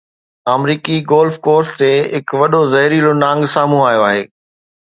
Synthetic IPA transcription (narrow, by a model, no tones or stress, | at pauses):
aːmɾiːkiɡoːlfkoːɾst̪eɦɪkʋɐɗozɐɦɪɾiːlonãːŋɡsaːmũaːjoaːɦeː